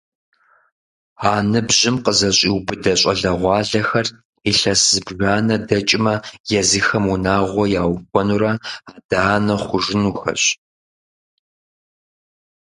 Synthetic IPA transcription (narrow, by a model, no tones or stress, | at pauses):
aːnɨbʑɪmqəzɐɕʼiːwbɨdɐɕʼɐɮɐʁʷɑːɮɐxɐr | iɬɐszɨbʒaːnɐdɐt͡ʃʼɪmɐjɛzɨxɐmunaːʁʷɔjaːwkʷʼɔnuɾɐaːd̥aaːnɐχʷʊʒɪnuːxɐ̰ɕ